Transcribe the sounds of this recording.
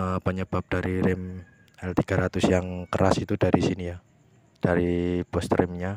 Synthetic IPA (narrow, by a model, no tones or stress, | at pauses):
pəɲəb̥ap̚d̥aɾiɾɪm | ɛlt̪iɡ̥aɾat̪ʊsjaŋkəɾasit̪udaɾisinija | d̥aɾibɔst̪rɪmɲa